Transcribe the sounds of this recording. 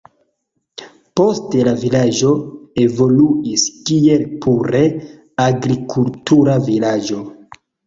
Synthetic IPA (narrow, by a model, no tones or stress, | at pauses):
po̞ste̞lavilad͡ʒo̞e̞vo̞luiskie̞lpuɾe̞ | aɡɾikʰultuɾavilad͡ʒo̞